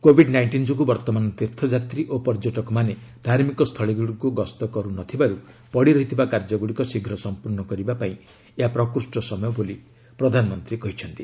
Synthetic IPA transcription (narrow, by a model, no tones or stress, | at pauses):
kobʱiɖnajɳʈind͡ʒɔk̬ubɔɾt̪ɔmanɔt̪iɾt̪ʰɔd͡ʒat̪ɾiʔopɔɾd͡ʒɔʈɔkɔmane | d̪ʱaɾmikɔst̪ʰɔɭiɡuɽkuɡɔst̪ɔkɔɾunɔt̪ʰibaɾupɔɽiɾɔɦit̪ʰibakaɾd͡ʒɔɡuɽikɔsiɡʱɾɔsɔmpuɾnɔkɔɾibapaĩ | eɦapɾɔkɾusʈɔsɔmɔjɔboli | pɾɔd̪ʱanɔmɔnt̪ɾikɔɦit͡ʃʰɔnt̪i